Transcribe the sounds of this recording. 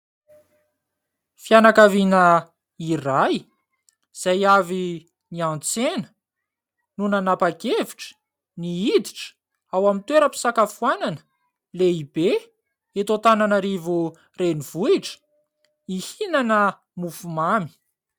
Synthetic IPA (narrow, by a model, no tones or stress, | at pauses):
fjanakavinə | iraj | z̥ajavi | niant͡senə̥ | nunanapakeviʈ͡ʂə̥ | niid̪iʈ͡ʂə̥ | awamint̪weɾəpi̥sakafuananə̥ | leibe | et̪ot̪ananəɾivu | reniv̥uiʈ͡ʂə̥ | ihinanə | mufumami̥